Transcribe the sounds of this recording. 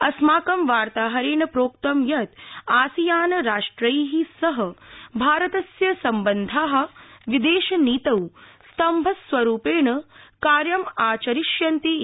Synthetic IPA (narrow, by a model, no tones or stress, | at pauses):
ɐsmaːkɐmʋaːɾt̪aːɦɐɾeːɳɐpɾoːk̚t̪ɐmjɐt̪aːsijaːnɐɾaːʂʈɾɐjɦisɐɦɐ̆bʱaːɾɐt̪ɐsjɐsɐmbɐnd̪ʱaːɦɐ̆ʋid̪eːʃɐniːt̪ɐwst̪ɐmbʱɐsʋɐɾuːpeːɳɐkaːɾjɐmaːt͡ʃɐɾiʃjɐnt̪i